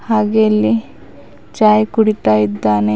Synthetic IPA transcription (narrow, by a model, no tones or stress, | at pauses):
haɡelːi | t͡ʃajkuɽiʈaid̪ːane